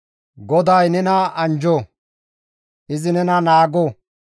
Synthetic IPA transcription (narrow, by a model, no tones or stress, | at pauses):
ɡɔd̪ɐjnɛnɐɐnd͡ʒɔː | ʔɪzɪnɛnɐnaːɡo